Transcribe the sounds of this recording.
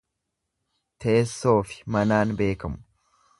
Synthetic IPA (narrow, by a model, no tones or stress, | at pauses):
t̪eːsːo̞ːfɪ̥mɐnaːnbe̞ːkɐmʊ̥